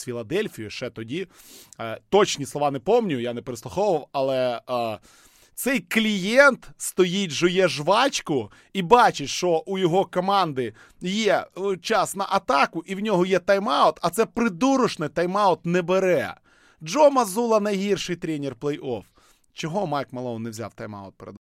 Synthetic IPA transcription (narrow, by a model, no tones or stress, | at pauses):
sfʲilˠɐd̪ɛlʲfʲijʊʃɛt̪ɔdʲi | t̪ɔt͡ʃnʲislˠɔʋɑnepɔmnʲʊjanepeɾɪslˠʊxɔʋʊʋɐwɐlˠɛ | t̪sɛjklʲijɛnt̪st̪ɔjitʲʒɔjɛʒʋɑt͡ʃʲkʊ | ibɑt͡ʃɪtʲʃt͡ʃɔʔujɔɦɔkɔmɑnd̪ɪ | jɛt͡ʃɑsnɐʔɐt̪ɑkʊʔiwnʲɔɦɔjɛt̪ɐjmɑʊt̪ɐt̪sɛpɾɪd̪uɾʊʃnɪt̪ɐjmɑʊt̪nɛbeɾɛ̰ | d͡ʒɔmɐzulˠɐnɐjɦirʃɪjt̪ɾʲɛnʲɪrplˠɛjʔɔf | t͡ʃɔɦɔmɑjkmɐlˠɔnnewzʲa̰wt̪ɐjmɑ̰ʊt̪̚peɾḛd̪